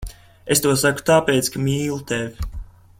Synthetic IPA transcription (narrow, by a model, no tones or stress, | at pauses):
est̪uɔsaku̥t̪aːpeːt̪skamiːlˠut̪evʲi